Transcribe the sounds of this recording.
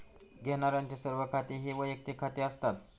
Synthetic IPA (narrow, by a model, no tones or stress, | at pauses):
ɡʱeɳ̃aɾjaɲt͡ɕasəɾʋəkʰat̪iɦiːʋəjək̚t̪ikʰat̪eəst̪at̪̚